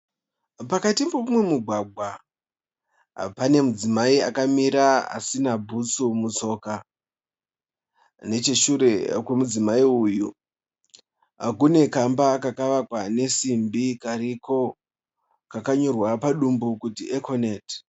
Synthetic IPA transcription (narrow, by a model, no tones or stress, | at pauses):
pakatimpoumwe̞muɡʱwaɡʱwa | pane̞mud͡zimaia̰kamiɾaa̰sinabʱut͡sumut͡so̞ːka | ne̞t͡ʃeʃuɾe̞kwemud͡zimaiuːju | kune̞kambaːkakaʋakwane̞simbikaɾiko̞ | kakaɲo̞rwapaɗumbukutiʔekʰone̞ːt